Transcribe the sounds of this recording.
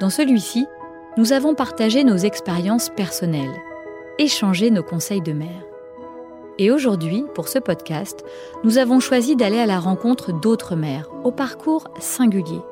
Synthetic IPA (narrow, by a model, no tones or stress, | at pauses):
d̪̥ɑ̃səlɥisi | nuzavɔ̃paʁt̪aʒenozɛkspeʁjɑ̃spɛʁsɔnɛl | eʃɑ̃ʒenokɔ̃sɛjd̪əmɛːʁ | eoʒuʁd̪ɥipuʁsəpɔd̪kʲast̪ | nuzavɔ̃ʃwazid̪alealaʁɑ̃kɔ̃t̪χəd̪ot̪χəmɛʁopaʁkʰuʁ | sɛ̃ɡʲylje